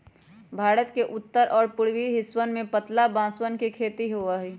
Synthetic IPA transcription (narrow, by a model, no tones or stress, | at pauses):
bʱaːɾət̪keʔʊt̪ːəɾʔɔːɾpʊɽwiɦɪswənmẽpət̪labãːswənkekʰeːt̪iɦoaɦɛː